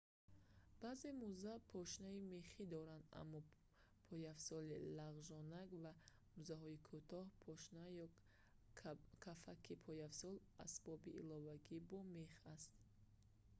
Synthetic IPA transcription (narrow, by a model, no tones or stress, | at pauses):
b̥aːze̞muzapʰɔʃnaime̞χid̪ɔɾand̪a̰mːɔ | pʰɔjafsɔlilaʁʒɔnaɡva | muzaɦɔikʰut̪ʰɔhpʰɔʃnajɔ | kʰafakʰipʰɔjafsɔl | a̰sb̥ɔbiʔːlɔvaɡibɔmeχast̪